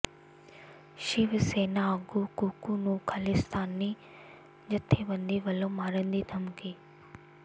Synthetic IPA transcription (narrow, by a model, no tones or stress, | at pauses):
ʃɪʋseːnaəɡukuːkunũːkʰɐlɪst̪aːnːi | d͡ʑɐt̪ʰːeʋɐ̃nd̪iʋɐlõmaːɾə̃nd̪id̪ʱɐmkiː